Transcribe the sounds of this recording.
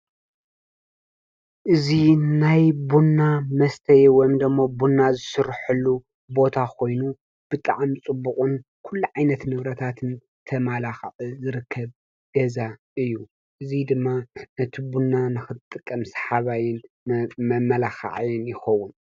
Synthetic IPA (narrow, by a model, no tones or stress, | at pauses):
ʔɨzinajbunːamɐst̪ʰɐjewɔjmd̪ɨmːobunːazɨsɨɾħɨlːu | bo̞t̪ʰakʰo̞jnu | b̥ɨt̪ʼa̰ʕmit͡sʼɨbːukʼunkʰulːuʕajnɐt̪nɨβɾɐt̪ʰat̪ʰɨn | t̪ʰɐmalaxʕɨzɨɾɨkʰːɐβ | ɡ̥ɐzaʔɨjːu | ʔɨzid̪ɨmːanɐt̪ʰibunːanɨxɨt̪ʼɨkʼːɐmsħaβajɪn | mɐmːɐlaxa̰ʕjɪnjɪxɐwun